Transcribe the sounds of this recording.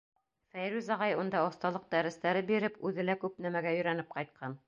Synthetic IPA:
fæjɾʉzɑʁɑjund̪ɑŏst̪ɑlˠɤq̚d̪æɾɘ̆st̪æɾɘbiɾɘpʉðɘlækʉpnæmæɡæjɵ̆ɾænɘp̚qɑjt̪̚qʰɑn

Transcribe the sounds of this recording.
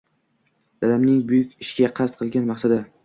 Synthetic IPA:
d̪̥alamnɪŋbʊjʊkʲɪʃɡʲaqʰɑst̪̚qʰɨlˠɡʲanmɑχsad̪a

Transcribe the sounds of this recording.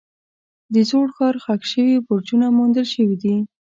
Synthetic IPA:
d̪əzoɽxɑɾxakʃəwibʊɾd͡ʒunamond̪əlʃəwid̪i

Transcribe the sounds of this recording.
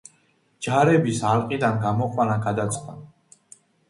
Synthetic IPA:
d͡ʒaɾɛbisalqʼid̪anɡamɔqʼwanaɡad̪at̪sʼd̪a

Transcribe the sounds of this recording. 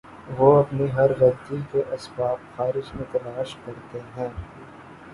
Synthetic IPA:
ʋoɐpniɦɐɾɣɐd̪ikeʔɐsbaːpxaːɾɪʃmẽt̪ɐlaːʃkɐɾt̪eɦɛ̃ː

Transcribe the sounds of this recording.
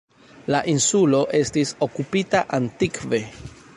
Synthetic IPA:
laʔinsulo̞ʔe̞stiso̞kupitaʔantikve̞

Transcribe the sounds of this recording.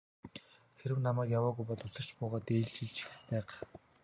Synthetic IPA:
xeɾɘ̆wnamæːkjawɔːɣujpɔɮʊsə̆r̥t͡ɕpʊːʁɔːt̪eːɮt͡ɕĭɮt͡ɕʰi̥xpæːq

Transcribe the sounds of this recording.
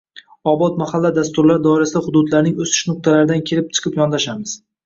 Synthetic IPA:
ɒbɒt̪mahalːad̪ast̪ʊɾlaɾd̪ɒɪɾasɪd̪ahʊd̪ʊd̪laɾnɪŋɵsɪ̥ʃnʊq̚t̪ʰalaɾɪd̪ankʲʰelɪp̚t͡ʃʰɨ̥qʰɨpjɒnd̪aʃamɪz̥

